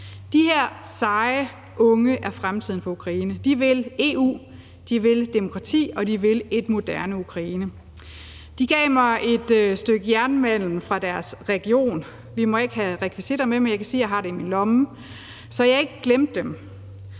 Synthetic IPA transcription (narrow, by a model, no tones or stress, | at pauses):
d̥iheɐ̰sɑ̈ɪ | ʔɔ̽ŋəʔæɐfʁamt͡sʰið̞̰ˠn̩fɒ̽ukʰʁɑ̈iːnəd̥iʋe̝le̝̰ṵː | d̥iʋe̝ld̥emo̝kʰʁɑ̈t͡sʰḭːɒ̽d̥iʋe̝le̝d̥mo̝d̥æɐnəukʰʁɑ̈iːnə | d̥iɡ̥ɛ̰ːmɑ̈ɪʔe̝d̥sd̥øɡ̥əjæɐnmæn̰lm̩fʁɑ̈d̥æɐsʁɛɡ̥io̝̰ːn | ʋimɒ̽e̝ɡ̥əhæʁɛkʰʋisid̥ɑmemenjɑɪkʰæsiːjɑ̈ɪɦɑ̈ɾe̝iminlɒ̽mə | sɒ̽jɑɪɑ̈e̝ɡ̥əɡ̥lemd̥ːem